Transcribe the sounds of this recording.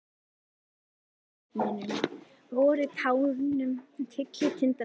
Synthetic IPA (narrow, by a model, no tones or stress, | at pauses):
minʏm | vɔːɾʏt̪ʰaːwðʏnːʏmt̪ʰɪklɪt̪ʰɪnt̪a